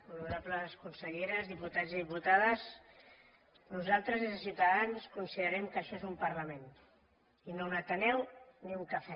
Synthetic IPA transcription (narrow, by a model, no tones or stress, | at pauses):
unuuɾapləskunsəʎeɾəzðiput̪aziðiput̪aðəs | nuzalˠt̪ɾəzesiuwt̪aðanskunsiðəɾɛmkəʃɔezumpɐɾlamen | inonat̪ənɛwniuŋkafɛ